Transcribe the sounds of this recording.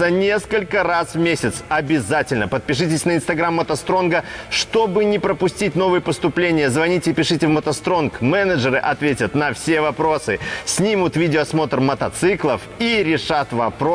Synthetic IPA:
ɐnʲe̞skəlʲkəɾasvmʲesʲɪt̪sɐbʲɪzatʲɪlʲnəpət̪̚pʲɪʂ̬ɨtʲɪsʲnəɪnst̪ɐɡɾamːət̪ɐst̪ɾo̞nɡəʂt̪o̞bɨnʲɪpɾəpʊsʲtʲit̚ʲno̞vɨjəpəst̪ʊplʲenʲɪjəzvɐnʲitʲɪpʲɪʂɨtʲɪvmət̪ɐst̪ɾo̞nkmɛnəʐɨɾɨʔɐt̪vʲetʲət̪nɐfsʲe̞vɐpɾo̞sɨsʲnʲimʊt̪vʲidʲɪoːsmo̞t̪ərmət̪ɐt̪sɨklˠəfiɾʲɪʂat̪vɐpɾo

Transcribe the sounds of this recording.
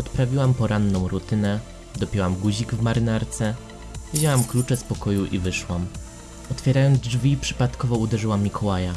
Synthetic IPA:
ɔt̪pɾavʲiwampɔɾanːɔ̃w̃ɾut̪ɘnɛ | d̪ɔpʲɛwamɡuʑiɡvmaɾɘnaɾt̪sɛ | vʲʑawamklut͡ʂɛspɔkɔjuʔivɘʂwam | ɔt̪fʲjɛɾajɔnd̪zd͡ʐvʲipʂɘ̥pat̪kɔvɔud̪ɛʐɘwamʲːikʰɔwaja

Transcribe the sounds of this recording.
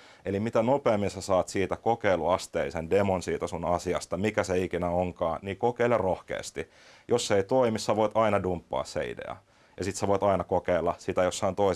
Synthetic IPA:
elimit̪ænopeɑmːinsæsɑːt̪siːt̪ækokeiluɑst̪ḛisendemonsiːt̪æsunɑsiɑst̪ɑmikæseikinæoŋkɑːniːkokeilerrohkḛːst̪i | josːeit̪oimissæʋoit̪ɑinɑdumpːɑ̰ːssḛḭdḛɑ̰ | jɑsit̪sæʋoit̪ɑinɑkokeilːɑsit̪æjosːont̪oi

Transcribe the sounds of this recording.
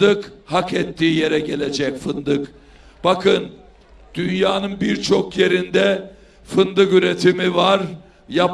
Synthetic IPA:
d̪ɯkhakɛt̪ʰːiːje̞ɾɛɟe̞lʲe̞d͡ʒɛcfɯnd̪ɯk | b̥akʰɯn | d̪̥ynjaːnɯnbiɾt͡ʃʰo̞kje̞ɾind̪ɛ | fɯnd̪ɯkyɾet̪ʰimivaɾ | jap

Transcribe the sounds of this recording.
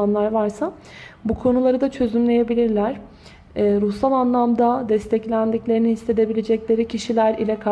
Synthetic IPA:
anlˠaɾvaɾsa | bukʰo̞nulˠaɾɯd̪at͡ʃʰø̞zymlʲe̞je̞bilʲiɾlʲæɾ̥ | ɛːɾusalˠanlˠamd̪ad̪ɛst̪ʰɛclʲænd̪iclʲe̞ɾininhise̞d̪e̞bilʲed͡ʒɛclʲe̞ɾicʰiʃilʲæɾilʲɛkʰa

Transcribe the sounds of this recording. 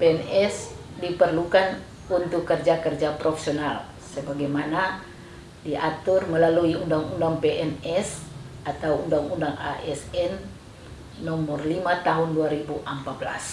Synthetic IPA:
peɛnɛs | dipərlukan | unt̪ʊkːərd͡ʒakərd͡ʒapɾofe̥sional | səbaɡajmana | diʔat̪ʊrməlaluiundaŋundaŋpɛʔɛnɛs | at̪awundaŋundaŋaʔɛsɛnː | ɔmɔrlimat̪aɦunduaɾibuʔəmpat̪̚bla̰s

